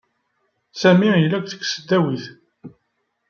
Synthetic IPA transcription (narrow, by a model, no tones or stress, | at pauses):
sæmijlːækʷθə̥kːsəd̪ːæwiθ